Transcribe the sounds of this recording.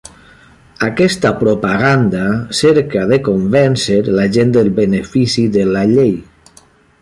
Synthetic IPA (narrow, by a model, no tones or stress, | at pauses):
akɛst̪apɾopaɣand̪aseɾkaðekombɛnsəɾlaʒend̪əlˠβənefisiðəlaʎej